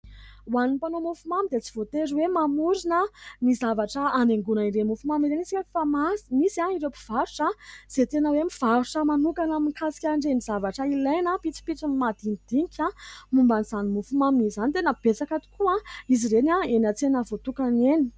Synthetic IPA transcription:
waninipanomufumamid̪et͡si̥v̥ot̪eɾwemamuɾinəmizavaʈ͡ʂəaneŋɡunaiɾemufumamiɾenisiefamasmisaiɾepi̥v̥aɾuʈ͡ʂəz̥et̪enəwemiv̥aɾuʈ͡ʂəmanukanaminikasi̥kʲaɳɖ͡ʐemizavaʈ͡ʂəilejnəpit͡si̥pit͡sumimad̪inid̪̥iŋkʲʰamumbaniz̥animufumamizanit̪enəb̥et͡sakat̪i̥kuaiziɾenaenat͡senəvot̪ukaneni̥

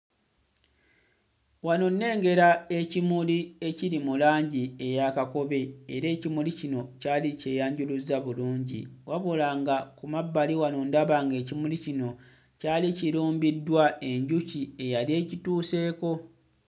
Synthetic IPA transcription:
wano̞nːe̞ːŋɡe̞ɾae̞cimulie̞ciɾimulaːɲɟie̞jakako̞βe̞ːɾe̞ːcimulicino̞caːliceːjaːɲɟuluzaβuluːɲɟḭwaβolaːŋɡakumabːaliwanondaβaːŋɡe̞ːcimulicino̞ | caːliciɾuːmbidːwae̞ɲɟucie̞jalie̞ːcituːse̞ːko̞

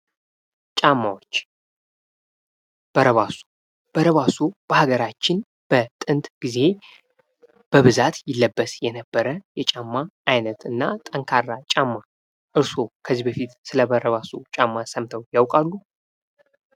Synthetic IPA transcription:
t͡ʃʼamːawot͡ʃː | b̥əɾəβaso̥ | b̥əɾəβasob̥əhaɡəɾat͡ʃːɪn | b̥ət̪ʼɨnt̪ʼɡ̥ize̞ | b̥əβɨzat̪jɪlːəbːəsjɛnəbːəɾəjɛt͡ʃʼamːaʔːjnət̪ɨnːat̪ʼəŋkʰarːat͡ʃʼamːa | ʔɨɾso̞kʰəzːibəfit̪sɨləbəɾəβasot͡ʃʼamːasəmt̪ʰəwjawkʼalːu

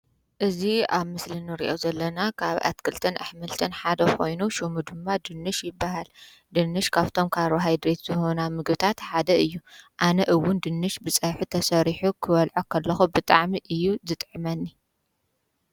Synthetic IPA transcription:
ʔɨziaβmɨslinɨɾḭʔo̞zɐlːɐnakʰaβa̰t̪kʰɨlt̪ʰɐna̰ħmɨlt̪ʰɐnħad̪ɐkʰo̞jnuʃumud̪ɨmːad̪ɨnːɨʃjɪbːaɦal | d̪ɨnːɨʃkʰaβt̪ʰo̞mkʰaɾoɦajd̪ɾe̞t̪z̥ɨho̞namɨɡbɨt̪ʰat̪ħad̪ɐɨjːuʔanɐʔɨwːʊnd̪ɨnːɨʃbɨt͡sʼɐħut̪ʰɐsɐɾiħukʰɨβɐlʕokʰɐlːɐxubɨt̪ʼaʕmiʔɨjːuzɨt̪ʼʕɨmɐnːi

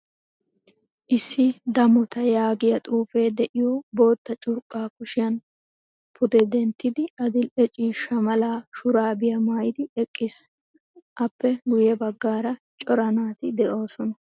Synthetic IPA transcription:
ʔɪsːɪd̪ɐmʊt̪ɐjaːɡɪjɐt̪ʼuːfeːd̪ɛʔɪjɔbo̞ːt̪ːɐt͡ʃʼʊɾkʼːaːkʊʃɪjɐn | pʰʊd̪ɛd̪ɛnt̪ːɪd̪ɪɐd̪ɪlɛt͡ʃʼiːʃɐmɐlaːʃʊɾaːbɪjɐmaːjɪd̪ɪɛkʼːɪs | ʔɐpːɛɡʊjɛbɐɡːaːɾɐ | t͡ʃʼɔɾɐnaːt̪ɪd̪ɛʔo̞ːsɔnɐ

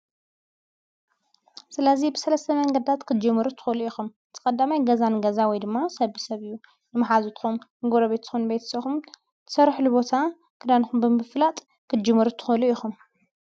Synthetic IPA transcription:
sɨlɐzibɨsɐlɐst̪ʰɐmɐŋɡɐd̪t̪ʰat̪kʰɨd͡ʒɨmːɨɾut̪ʰɨ̥xɐluʔixumɨt̪ʰɨ̥kʼɐd̪ːamajɡɐzanɡɐzawɔjd̪ɨmːasɐβisɐβɨjːu | nɨmɐħazut̪ʰxumɨɡoɾɐβet̪zɨ̥xunbejt̪ʰɐ̥sɐxum | t̪ʰɨ̥sɐɾħlubo̞t̪ʰa | kʰɨd̪anxumbɨmɨflat̪ʼ | kʰɨd͡ʒɨmːɐɾut̪ʰɨ̥xɐluixum

